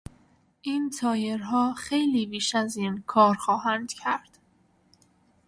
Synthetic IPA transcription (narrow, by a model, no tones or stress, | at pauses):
ʔiːnt̪ʰɒːjeɾɦɒːxejliːbiːʃæziːnkʰɒːɾxɒːɦænd̪̥cʰæɾd̪̥